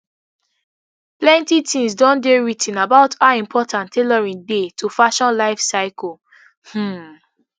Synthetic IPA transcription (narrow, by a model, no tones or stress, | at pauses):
plɛ̃ntitʰĩŋsdɔ̃ndeɹitʰĩnabaʊtaĩmpʰɔtʰãntʰelɔɹĩndetʰufaʃɔ̃nlaɪfsaɪkɔ | h̩